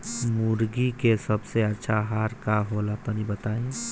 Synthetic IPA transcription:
muɾɡikesəbseətːʃʰaɦaɾkaɦolat̪ɔnibət̪aĩ

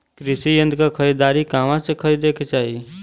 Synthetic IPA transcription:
kɾisijə̃nd̪ʱkakʰəɾid̪aːɾikamãsekʰəɾid̪ekʰt͡ʃaːɦi

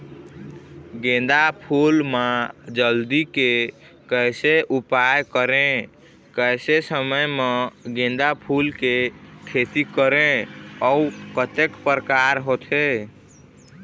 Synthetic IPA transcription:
ɡẽd̪apʰulmad͡ʒəld̪ike | kəjseʔupajkəɾẽ | kəjsesəməjmeɡẽn̆d̪apʰulkekʰet̪ikəɾẽɔukət̪ekpɾəkaɾɦot̪ʰe

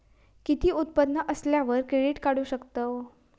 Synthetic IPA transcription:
kit̪iːut̪̚pəd̪nəʔəsljãʋəɾkɾeɖiʈkaɽuːɕəkt̪ə

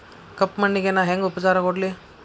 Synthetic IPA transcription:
kɐpːmɐɳːiɡenaɦeŋɡupɐt͡ʃaːɾɐkoɖli

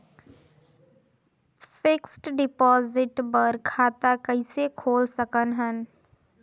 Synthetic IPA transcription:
fʰɪksʈɖɪpɔːzɪʈbəɾkʰaːt̪akɐɪ̃sekʰoːlsəkənɦən

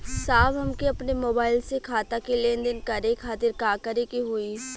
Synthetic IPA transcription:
saːbɦɐmkeɐpnemoːbaːɪlsekʰaːt̪akeleːnd̪ɪnkɐɾekʰaːt̪ɪɾkaːkəɾekiɦʊi

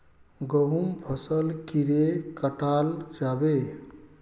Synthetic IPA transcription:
ɡəɦumbʱəsəlkiɾekəʈald͡ʒabe

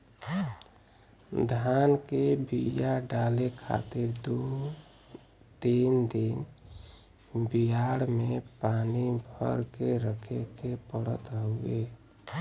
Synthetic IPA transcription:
d̪ʱankebijaɖalekʰa̰t̪ɪɾd̪u | d̪ind̪in | bijaɽmepanibʱə̰ɾkeɾəkʰekepəɽə̰t̪ɦoe

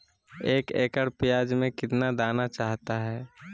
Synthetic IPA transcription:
eːkeːkəɽpɪjaːd͡ʒmẽkɪt̪nad̪aːnat͡ʃaːɦt̪aɦɛː

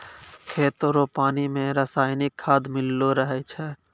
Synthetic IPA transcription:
kʰeːt̪oɾopaːnimẽɾəsaːɪnɪkʰːaːd̪mɪlːoɾəɦɛt͡ʃʰɛː

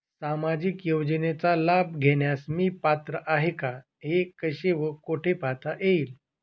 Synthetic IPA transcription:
samad͡ʑikjowd͡ʑənet͡salabɡʱeɳjasmiːpat̪ɾəʔaɦeka | ɦekəɕeʋəkoʈʰepat̪ʰaʔeiːl

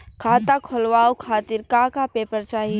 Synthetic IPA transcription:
kʰaːt̪akʰɔlʋaːokʰaːt̪iɾkãːkapeːpəɾt͡ʃaːɦi

